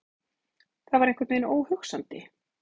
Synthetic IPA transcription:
θavaɾẽŋkvaɾt̪menoːwhʏxsant̪ɪ

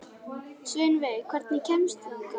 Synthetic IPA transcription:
svɪːnveðkʰvɛɾt̪nɪcʰɛmst̪

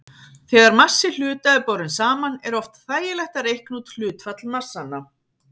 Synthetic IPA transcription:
θɛːɣaɾmḁsːɪl̥ʏːt̪aɪpɔwɾʏnsaːmanɛɾɔft̪θaːjɪlɛht̪aɾejhknut̪l̥ʏːt̪fat̪lmar̥sːanːa

